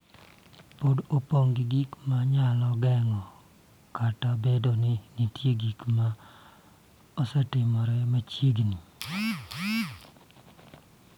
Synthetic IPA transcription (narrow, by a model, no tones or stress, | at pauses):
podopoŋɡɪɡikmaɲalɔɡɛŋɔ | katabedonɪnitjeɡikma | osɛtɪmɔɾɛmat͡ʃiɡni